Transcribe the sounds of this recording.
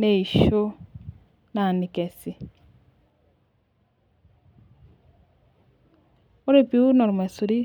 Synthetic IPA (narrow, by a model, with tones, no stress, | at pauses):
ne˨i˨ʃo˦ | na˨ni˨ke˨si˨ | o˦ɾe˦˨pi˨˦u˦nɔ˨ɾme˨su˨ɾi˦